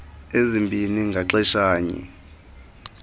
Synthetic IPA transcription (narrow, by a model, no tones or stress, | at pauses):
ezimbʱiniŋɡʱaǁɛʃaːɲḭ